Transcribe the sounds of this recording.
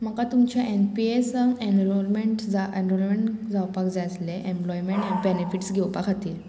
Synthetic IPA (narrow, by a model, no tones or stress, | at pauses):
m̤əkat̪umt͡ɕaʔenpiesəŋenlɔɾmeɳʈd͡zaenɾɔlmeɳʈd͡zawpakd͡zasleʔẽmplɔjmeɳʈjãbenefiʈsɡʱɛwpakʰat̪iːɾ